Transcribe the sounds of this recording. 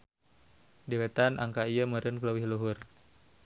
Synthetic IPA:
diwet̪anʔa̰ŋkaijəməɾənkələwɪhluɦur

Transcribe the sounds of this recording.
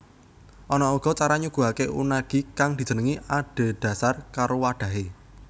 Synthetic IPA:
ʔɔnɔuɡ̥ɔ̤t͡ʃaɾaɲuɡ̥uɦakeʔṵnaɡ̥i̤kaŋd̪̥i̤̥d͡ʒ̥ə̤nəŋiaɖ̥e̤d̪̥ä̤sarkaɾowaɖ̥ä̤ɦe

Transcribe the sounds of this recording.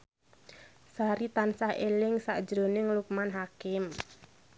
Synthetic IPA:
saɾit̪ansahelɪŋsa̰ʔd͡ʒɾonɪŋluk̚manɦakɪm

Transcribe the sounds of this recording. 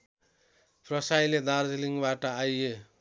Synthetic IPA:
prʌsajled̪ard͡zliŋɡbaʈʌaje

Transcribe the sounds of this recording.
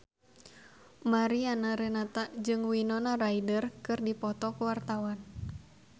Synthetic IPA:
maɾianaɾɛnat̪ad͡ʒɨŋwinɔnaraidərkɨrdipɔt̪ɔkuwart̪awan

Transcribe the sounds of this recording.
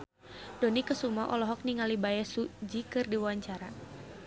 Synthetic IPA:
d̥ɔnikəsumaʔɔlɔɦɔk̚niŋalibajɛsud͡ʒikɨrdiwaɲt͡ʃaɾa

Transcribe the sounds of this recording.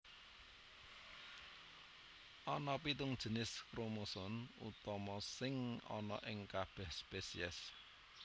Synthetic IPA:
ʔɔnɔpit̪ʊŋd̥ʒ̥ə̤nɪskɾomosʊnṵt̪ɔmɔsɪŋɔ̰nɔ̰ʔɪŋkab̥ɛhspesḭɛs

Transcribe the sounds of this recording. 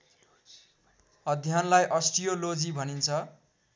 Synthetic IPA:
ʌd̪ʱjanlajʔʌsʈijolod͡zibʱʌnint͡sʰʌ

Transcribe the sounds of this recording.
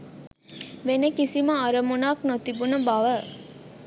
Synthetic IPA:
ʋenekisiməaɾəmunaːknot̪ibunubaʋə

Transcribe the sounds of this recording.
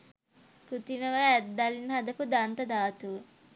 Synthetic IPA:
kɾut̪iməʋəæd̪ːalinɦad̪əkud̪ant̪əd̪aːt̪uʋə

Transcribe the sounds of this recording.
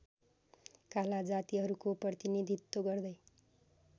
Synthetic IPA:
kalad͡zat̪iɦʌɾukoprʌt̪inid̪ʱit̪ːoɡʌrd̪ʌj

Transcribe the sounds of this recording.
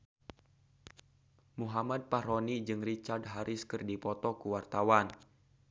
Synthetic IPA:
muɦamad̪̚paɾɔnid͡ʒɨŋrit͡ʃardɦaɾʔɪskɨrdipɔt̪ɔkuwart̪awan

